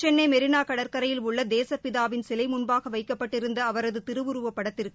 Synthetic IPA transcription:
t͡ʃɛnːɐɪmɛɾɪnaːkɐɽɐɾkɐɾɐjɪlʊɭːɐd̪eːsɐpɪðaːʋɪnsɪlɐɪmʊnbaːɣɐʋɐɪkːɐpːɐʈːɪɾɯnd̪ɐɐʋɐɾɐðɯt̪ɪɾɯʋʊɾɯʋɐpːɐɽɐt̪ːɪɾkkɯ

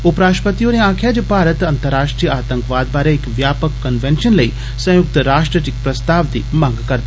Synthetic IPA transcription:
upɾaːʃpət̪ijoneãːkʰjaːd͡ʒopaːɾət̪ɐnt̪əɾaːʂʈɾijəaːt̪ə̃ŋkʋaːd̪baːɾeɪkʋjaːpəkːɐnʋẽnʃənlɐi | sɐ̃jʊk̚t̪ɾaːʂʈɾəʈ̪ikpɾɐst̪aːʋd̪iːmãːŋɡkɐɾd̪

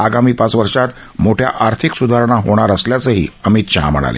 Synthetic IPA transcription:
aɡamiːpat͡sʋəɾʂat̪ | moʈʰja̰ʔaɾt̪ʰiksud̪ʱaɾɳ̃aɦoɽ̃aɾəsljat͡səɦḭːəmiːt̪ɕəɦa̰mə̰ɽ̃a̰lḛ

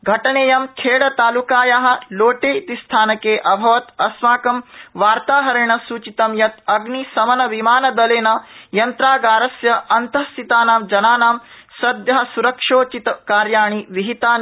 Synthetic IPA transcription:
ɡʱɐʈɐɳeːjɐmkʰeːɽɐt̪aːlukaːjaɦɐ̆loːʈeːt̪ist̪ʰaːnɐkeːʔɐbʱɐʋɐt̪ɐsmaːkɐmʋaːɾt̪aːɦɐɾeɳ̃ɐsuːt͡ʃit̪ɐmjɐt̪ɐɡnisɐmɐnɐʋimaːnɐd̪ɐleːnɐjɐnt̪ɾaːɡaːɾɐsjɐʔɐnt̪ɐst̪it̪aːnaːmd͡ʒɐnaːnaːm | sɐd̪jɐɦɐsuɾɐkʂoːt͡ʃit̪kaːɾjaːɳ̃iʋiɦit̪aː

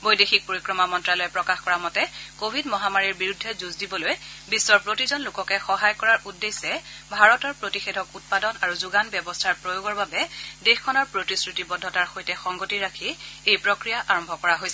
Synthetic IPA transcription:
bojdexik̚poɹikɹɔmamɔntɹalojɛpɹɔkaxkɔɹamɔtɛkobʱidmɔɦamaɹiɹbiɹudʱːɛzuzdibɔlojbisːɔɹpɹotizɔnlʊkɔkɛxɔɦajkɔɹaɹʔudːesɛbʱaɹɔtɔɹpɹotixedʱɔkut̚padɔnaɹuzuɡanbjɛbɔstʰaɹpɹojoɡɔɹbabɛdexkʰɔnɔɹpɹotisɹitibɔdʱːɔtaɹxojtɛxɔŋɡotiɹakʰiejpɹokɹijaʔaɹɔmbʱɔkɔɹaɦojsɛ

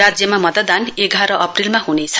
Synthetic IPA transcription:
ad͡zjʌmamʌt̪əd̪aneɡʱaɾʌʔʌprilmaɦunet͡sʰʌ

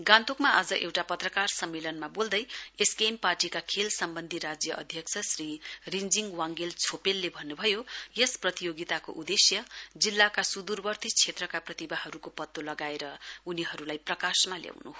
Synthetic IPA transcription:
ɡãnt̪okmaʔad͡zʌʔewʈapʌt̪rʌkarsʌmːelʌnmabold̪ʌjeskemparʈikakʰelsʌmbʌnd̪ʱiɾad͡zjʌʔʌd̪ʱjʌksʰʌsrirind͡ziŋɡwaŋɡelt͡sʰopelːebʱʌnːubʱʌjojesprʌt̪ijoɡit̪ako̰ʔud̪esjʌd͡zilːakasud̪urbʌrt̪ʰit͡sʰet̪rʌkaprʌt̪ibaɦʌɾukopʌt̪ːolʌɡaeɾʌuniɦʌɾulajprʌkasmalja̰wnuɦo

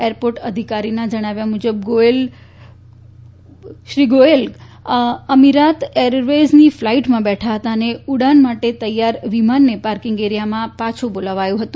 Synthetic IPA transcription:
eɾpoɾʈəd̪ʱikaɾinad͡ʒəɽ̃aʋjamud͡ʒəbɡoel | ʃɾiɡoel | əmiɾat̪eɾʋed͡ʒniflaiʈmãbɛʈʰaɦət̪aəneuɽanmaʈet̪əjːaɾʋimanːepaɾkiŋɡeɾjamãpat͡ʃʰubolaʋajũɦət̪ũ

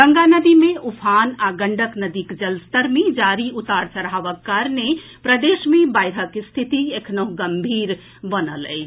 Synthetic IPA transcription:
ɡəŋɡanəd̪imẽʔupʰanaɡəɳɖəknəd̪ikd͡ʒəlst̪əɾmed͡ʒaɾiʔut̪aɾt͡ʃəɾɦaʋəkːaɾne | pɾəd̪esmebajɾəkst̪ʰit̪iekʰnəɦɡəmbʱiɾ | bənələ̰ɪt͡ʃʰ

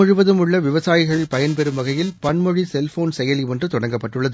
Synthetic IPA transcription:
ʊɻʊʋɐðɯmɯɭːɐʋɪʋɐsaːjɪɣɐɭɪlpɐjɐnpɛɾɯmʋɐɣɐjɪlpɐnmɔɻisɛlfoːnsɛjɐliɛndrɯt̪ʊɽɐŋɡɐpːɐʈːɯɭːɐðɯ

